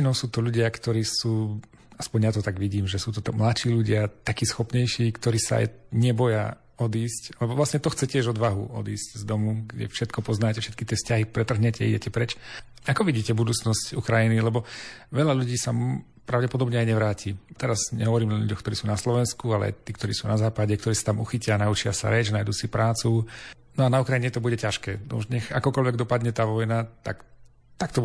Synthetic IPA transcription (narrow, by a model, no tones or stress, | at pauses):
inɔʊsuːt̪ɔʎuɟɪakt̪ɔɾiːsuː | aspɔɲjat̪ɔt̪aɡʋiɟiːmʒɛsuːt̪ɔt̪mlatʃiːʎuɟɪat̪akiːsxɔpɲɛjʃiːkt̪ɔɾiːsa̰a̰jɲɪɛbɔja̰ | ɔd̪iːscalɛbɔʋlasɲɛt̪ɔxt͡sɛcɪɛʒɔd̪ʋaɦṵɔ̰d̪iːsczd̪ɔmuɡɟɛ̰fʃɛt̪kɔpɔznaːcɛfʃɛ̥t̪̚kit̪ɪɛfscaɦipɾɛt̪r̩ɦɲɛcɛ̰ḭɟɛcɛpɾɛt͡ʃ | akɔʋiɟiːcɛbud̪uːt͡snɔscukɾajinilɛbɔʋɛʎaʎuɟiːsa | pɾaʊɟɛpɔd̪ɔbɲɛajɲɛʋɾaːciːt̪ɛɾazɲɛ̰ɦɔʋɔɾiːmaʎuɟɔxkt̪ɔɾiːsuːnaslɔʋɛnskualɛ̰a̰jt̪iːkt̪ɔɾiːsuːnazaːpaɟɛkt̪ɔɾiːsat̪amuxicɪanaut͡ʃɪasa̰ɾɛd͡ʒnajd̪uːsipɾaːt͡su | nɔanaukɾajiɲɛt̪ɔbuɟɛcaʃkɛːnɔ̰uʒɲɛxakɔkɔʎʋɛɡ̚d̪ɔpad̪ɲɛt̪aːʋɔjnat̪a̰k | t̪akt̪ɔ